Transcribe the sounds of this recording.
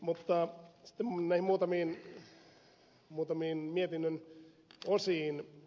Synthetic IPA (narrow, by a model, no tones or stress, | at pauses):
mut̪ːɑsi̥t̪ːemnæihimmuːt̪ɑmiːn | muːt̪ɑmiːnmiet̪inːøn | osiːn